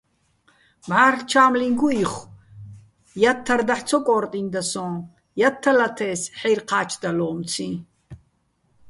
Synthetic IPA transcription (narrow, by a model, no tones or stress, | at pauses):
mʕaːrt͡ʃʰaːmliŋɡuiχ | jat̪ʰːaɾd̪aħt͡sʰɔkʼɔːrt̪ʼind̪asɔ̃ː | jat̪ʰːalat̪ʰɛːsħɛjrqʰaːt͡ʃʰd̪alɔːmt͡sʰĩ